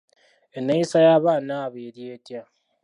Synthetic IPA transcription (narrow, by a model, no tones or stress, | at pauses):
enaisajaβanaːβeɾjeːtja